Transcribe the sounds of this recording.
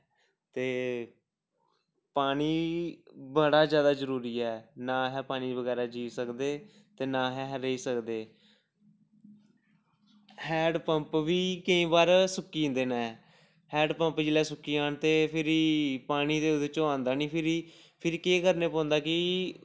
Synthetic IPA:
t̪eː | paːniː | bəɽaːzjaːd̪aːzəɾuːɾiːɛːnaːɦɛːpaːniːʋəɡɛːɾaːd͡ʒiːsəkd̪eː | t̪eːnaːɦɛːɦɾəiːsəkd̪eː | hɛːɖpəmpʋiːkəĩːbaːɾsʊkːiːnd̪eːnã | hɛːɖpə̃mpd͡ʒelɛːsʊkːiːaːɳt̪eːpʰɪɾipaːñiːd̪eːʊd̪eːt͡ʃoːãːnd̪aːnĩːpʰɪɾi | pʰɪɾkeːɡəɾneːpɔ̃ːnd̪aːkɪ

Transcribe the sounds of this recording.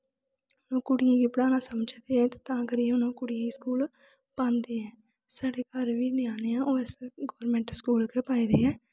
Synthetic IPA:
nõːkʊɽɪjãːɡiːpəɽaːnaːsəməd͡ʒd̪eːɦɛ̃ːt̪ːt̪ãːkəɾiːʊnõːkʊɽɪjãːiːskuːl | pãːnd̪eːɛ̃ː | saːɽeːkaːɾʋiːnɪaːneːãːʔoːɛsɡoːɾmẽːɳʈskuːlkeːpaːiːd̪eːɛː

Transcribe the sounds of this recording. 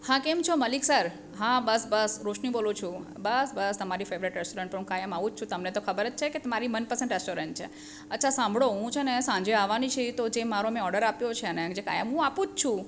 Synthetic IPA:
hãkemt͡ʃʰoməliksəɾ | ɦãbəsbəsɾoʃnĩbolut͡ʃʰũbəsbəst̪əmaɾifeʋɾiʈɾesʈoɾəɳʈpəɾɦũkajəmaʋũd͡ʒt͡ʃʰũt̪ɐmnet̪okʰəbəɾət͡ʃ̚t͡ʃʰeket̪ɐmaɾimənpəɾsẽɳʈɾesʈoɾəɳʈt͡ʃʰḛ | ətːt͡ʃʰasãmbʱɽoɦũt͡ʃʰenesãɲd͡ʒeaʋanĩt͡ʃʰet̪od͡ʒemaɾomẽɔɾɖəɾapjot͡ʃʰeəned͡ʒeka̰jə̰mɦũapũd͡ʒt͡ʃʰũ

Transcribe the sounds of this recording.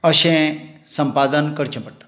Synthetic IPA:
əɕɛ̃səmpad̪ənkəɾt͡ɕə̃pəɽʈḁ

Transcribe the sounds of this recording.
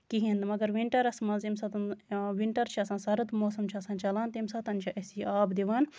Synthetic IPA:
kiɦĩnd̪mɐɡɐɾʋiɳʈɐɾɐsmɐ̃nzimsɐt̪ɐnʋiɳʈɐɾt͡ʃʰiɐsãːnsɐɾɐt̪moːsɐmt͡ʃʰiɐsãːnt͡ʃɐlaːnt̪imsɐt̪ɐnt͡ʃʰiʔɐsiːaːbd̪iʋaːn

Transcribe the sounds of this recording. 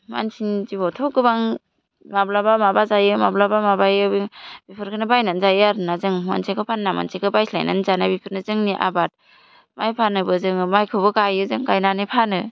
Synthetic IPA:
ma̰nsinzibɔtʰɔɡɯbaŋ | mablabamabazajɯmablabamabajɯbibipʰɯɾkʰɯnɯbajnanzajɯaɾɯnazɯŋma̰nsʰekʰɯpʰanːama̰nsekʰɯbajsʰla̰jna̰nzanabipʰɯɾnɯzɯŋniʔa̰bat̚ | majpʰanɯbɯzɯŋmajkʰɯbɯkajɯzɯŋkajnanɯpʰanɯ

